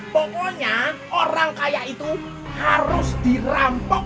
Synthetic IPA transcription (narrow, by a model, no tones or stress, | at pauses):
pɔkɔɲa | oɾaŋkajaʔit̪u | haɾʊsd̪̥i̤rampɔ